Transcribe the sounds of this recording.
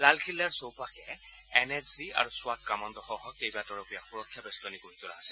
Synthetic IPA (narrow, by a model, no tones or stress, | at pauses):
lalkʰilːaɹsowpakɛ | ɛnɛzzia̰ɹuswat̚kamɔnd̪ɔxɔɦɔkejbatɔɹɔpijaxuɹɔkʰːjabɛst̪ɔnikoɹit̪ʊna̰ɦasɛ